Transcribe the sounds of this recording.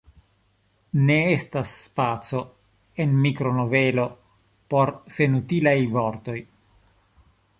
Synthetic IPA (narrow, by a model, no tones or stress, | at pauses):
ne̞estasːpat͡so̞ | e̞nmikɾo̞no̞ve̞lo̞ | po̞ɾse̞nutilajvo̞ɾt̪o̞j